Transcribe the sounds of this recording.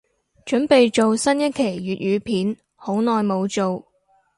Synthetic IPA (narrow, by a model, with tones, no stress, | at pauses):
t͡ʃɵ˨˥npe˨jt͡ʃo˨wsɐ˥njɐ˥t̚kʰe˨˩jɥyː˨t̚jyː˨˧pʰiː˨˥n | ho˨˥wnɔː˨jmo˨˧wt͡so˨w